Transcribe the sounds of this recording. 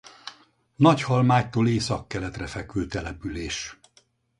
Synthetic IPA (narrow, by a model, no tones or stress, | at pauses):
nɒchɒlmaːct̪oːleːsɒkːɛlɛt̪rɛfɛkøːt̪ɛlɛpyleːʃ